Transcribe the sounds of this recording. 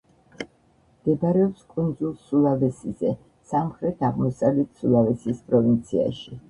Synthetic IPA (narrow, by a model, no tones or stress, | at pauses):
md̪̥ɛbaɾɛɔpskʼund̪zulˠsulˠavɛsizɛ | samχɾɛt̪ʰaʁmɔsavlɛt̪sulˠavɛsispʼɾɔvint̪sʰia̰ʃi